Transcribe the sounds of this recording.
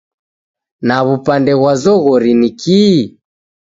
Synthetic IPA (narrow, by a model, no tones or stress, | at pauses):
naβupandɛɣwazɔɣɔɾinikiː